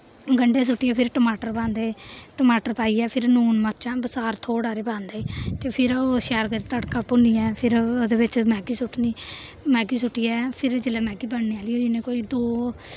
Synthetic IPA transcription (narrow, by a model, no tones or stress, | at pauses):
ɡəɳɖeːs̬ʊʈːiːɛːpʰɪɾʈəmaːʈəɾpãːnd̪eːʈəmaːʈəɾpaːiːɛːpʰɪɾnuːnməɾt͡ʃãːbəsaːɾt̪ʰoːɽaːɾeːpãːnd̪aːiːt̪eːpʰɪɾoʃɛːɾkəɾit̪əɽkaːpʊniːɛːpʰɪɾd̪eːbɪt͡ʃmɛːɡiːsʊʈʰniː | mɛːɡiːsʊʈːiːɛːpʰɪɾd͡ʒelɛːmɛ̃ːɡiːbəɳneːaːliːoːd͡ʒɪnẽːkoːiːd̪oː